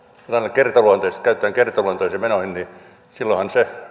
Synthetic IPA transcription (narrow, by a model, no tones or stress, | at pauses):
et̪ɑnːekkert̪ɑluont̪oist̪kæyt̪ːˑæːŋkert̪ɑluont̪oisemenohinni | silːohɑnse